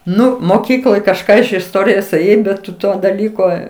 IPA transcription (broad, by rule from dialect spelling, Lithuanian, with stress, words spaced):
ˈnʊ moːˈkʲiːklˠoːj kɐʃˈkɑː ɪʃ ɪsˈtoːrʲɪjoːs eːˈjɛɪ bʲɛt ˈtʊ ˈtoː dɐˈlʲiːkoː